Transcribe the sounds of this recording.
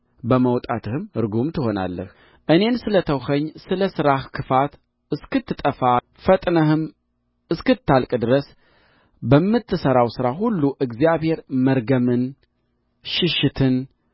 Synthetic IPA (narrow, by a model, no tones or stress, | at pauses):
bəməwt̪ʼat̪ʰɨhɨmɨɾɡumt̪ʰɨho̞na̰lːə̰h | ʔɨne̞nsɨlət̪ʰəwhəɲːsɨləsɨɾahkʰɨfat̪ | ɨskɨt̪ːɨt̪ʼəfa | fət̪ʼnəhɨm | ɨskɨt̪ʰːalkʼd̪ɨɾəs | bəmːɨt̪ʰːɨsəɾawsɨɾahulːuʔɨɡzijaβhe̞ɾməɾɡəmɨn | ʃɪʃːɪt̪ʰɨn